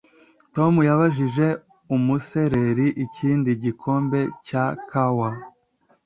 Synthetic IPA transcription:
to̞mujaβaʒiʒe̞ | umuse̞ɾe̞ɾiʔiciːndiɟikʰo̞ːmbe̞cakʰawa

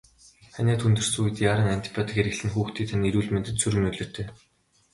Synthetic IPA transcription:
χanʲæːt̪ʰunt̪ɵ̆r̥suːjɘ̆t̪jaːɾə̆ŋan̥ʲt̪ʰi̥pʲʰɔt̪̆xeɾɘ̆kɮɘ̆nxuːxt̪ʰiːt̪ʰaniɾuːɮment̪ɘ̆t̪sɵɾɣɘ̆nɵɮɵ̆r̥t̪ʰeː

